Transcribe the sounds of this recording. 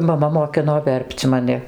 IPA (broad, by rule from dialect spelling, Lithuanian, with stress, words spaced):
mɐˈmɐ moːˈkʲɪnoː ˈʋʲɛrʲpʲt͡sʲ mɐˈnʲɪ